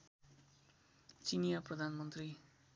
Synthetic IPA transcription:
t͡sinijaprʌd̪ʱanmʌnt̪ri

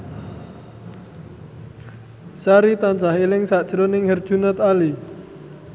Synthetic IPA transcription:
saɾit̪ant͡ʃahelɪŋsad̥ʒ̥ɾonɪŋhərd̥ʒ̥unət̪ali

